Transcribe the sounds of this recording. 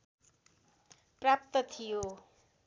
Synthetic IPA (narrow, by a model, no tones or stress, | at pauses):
prap̚t̪ʌt̪ʰijo